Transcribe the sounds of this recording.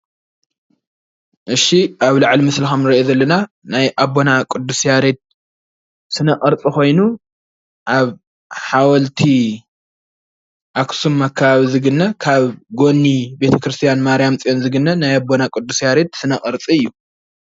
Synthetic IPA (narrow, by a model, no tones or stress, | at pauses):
ʔɨʃːiʔaβlaʕlimɨslixɐmnɨɾɐezɐlːɐna | najʔabo̞nakʼɨd̪ːusjaɾed̪̚ | sɨnɐkʼɨɾt͡sʼixo̞jnu | ʔaβ | ħawɐlt̪ʰi | ʔaksumːakʰːaβaβizɨɡɨnːɐkʰaβɡo̞nːibe̞t̪ʰɐkɾɨst̪ʰijanmaɾijamt͡sʼijonzɨɡɨnːɐnajabonakʼɨd̪ːusjaɾed̪sɨnɐkʼɨɾt͡sʼiɨjːu